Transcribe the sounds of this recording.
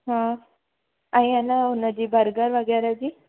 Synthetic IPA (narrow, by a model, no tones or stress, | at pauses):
ɦã | aɦĩanaɦonəd͡ʑiːbʱəɾɡəɾʋəɡaɾad͡ʑiː